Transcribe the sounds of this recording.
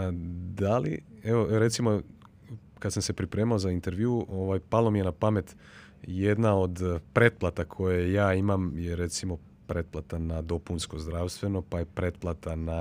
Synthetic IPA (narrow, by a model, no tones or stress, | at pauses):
d̪alḭeʋo̞ɾe̞t̪simo | kasamse̞pɾipɾe̞ːmaozaint̪e̞ɾʋjuuʔoʋajpalomije̞napame̞t̪ | jed̪nao̞d̪pɾe̞t̪̚plat̪akʰo̞jejaːimamjeɾet̪simo̞ | pɾe̞t̪̚plat̪anad̪o̞punsko̞zd̪ɾaːʋst̪ʋe̞no̞pajepɾe̞t̪̚plat̪ana